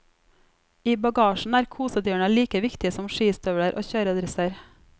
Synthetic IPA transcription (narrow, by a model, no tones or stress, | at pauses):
iːbɑɡɑːʃn̩æːɾkʰuːsəd̪øːɳɑliːkəʋɪkt̪ɪəsɔmʃiːst̪œʋɽəɾʔo̰ːçøːɾəɑd̪ɾɛsəɾ